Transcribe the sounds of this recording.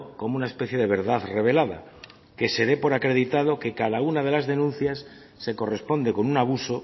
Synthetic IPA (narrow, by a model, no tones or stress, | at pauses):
ko̞munae̞spe̞θje̞ðe̞β̞e̞ɾðaθre̞β̞e̞laða̰ | ke̞se̞ɾe̞po̞ɾakɾe̞ðit̪að̞o̞ke̞kaðaunað̞e̞lazðe̞nũnθjasː | e̞ko̞re̞spo̞nd̪e̞ko̞nunaβuso̞